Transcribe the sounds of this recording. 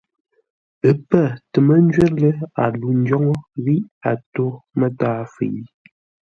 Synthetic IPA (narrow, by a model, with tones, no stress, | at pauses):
ə˨pə˦˨tə˨mə˦n˦d͡ʒɥɛ˦lə˦a˨lu˨n̩˦d͡ʒɔ˦ŋɔ˦ɣi˦ʔa˨to˦mə˦taː˦fḛ˨i˦